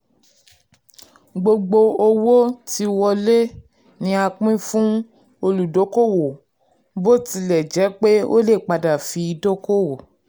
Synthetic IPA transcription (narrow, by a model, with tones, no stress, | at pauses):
ɡ͡bo˧ɡ͡bo˧o˧wo˦ti˧wɔ˧le˦ | nĩ˧˦a˧k͡pĩ˦fũ˦ | o˧lu˨do˨˦ko˦˨wo˨ | bo˦˨ti˧lɛ˨d͡ʒɛ˨˦k͡pe˦o˦le˦˨k͡pa˨da˨fi˧˦i˧do˦ko˦wo˨